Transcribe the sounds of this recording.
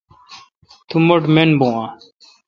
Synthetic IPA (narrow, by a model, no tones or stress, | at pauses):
t̪ʰumɐʈmenbõãː